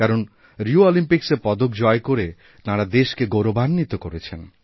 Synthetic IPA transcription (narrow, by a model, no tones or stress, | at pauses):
kaɾon | ɾioɔlimpiksepɔd̪okd͡ʒɔejkoɾe | t̪aɽad̪eʃkeɡoɾobʱanːit̪okoɾet͡ɕʰen